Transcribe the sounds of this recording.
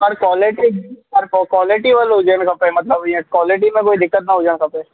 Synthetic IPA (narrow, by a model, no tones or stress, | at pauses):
pɐɾkɔːleʈiɐɾkokwɔːlɪʈiʋəlɦod͡ʒaːnkɐpẽmɐt̪lɐbɛ̃kwɔːlɪʈ̬imẽkoːid̪ɪkːət̪naɦoːd͡ʒankɐpẽː